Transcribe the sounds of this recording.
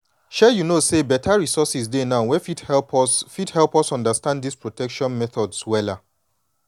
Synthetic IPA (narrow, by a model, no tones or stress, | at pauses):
ʃɛjunosebɛtʰaɹisɔsisdenaʊwɛfidhɛlpsfithɛlˠpɔsɔ̃ndastãnddispɹotɛkʃɔ̃nmɛθɔdswɛla